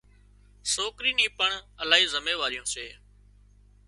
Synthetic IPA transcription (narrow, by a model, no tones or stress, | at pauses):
soːkɾiːnĩːpəɳəlaːɦiːzəmeːʋaːɾɪjõːseː